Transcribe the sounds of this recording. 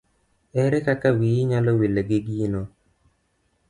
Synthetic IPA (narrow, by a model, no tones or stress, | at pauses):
ɛɾɛkakawiɲalɔwileɡɪɡino